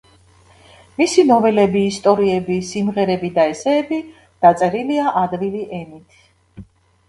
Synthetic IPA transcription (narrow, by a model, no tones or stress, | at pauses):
misinɔvɛlɛbiːst̪ʼɔɾiɛbisimʁɛɾɛbid̪aɛsɛːbi | d̪̥at̪sʼɛɾiliaʔad̪viliʔɛnit̪ʰ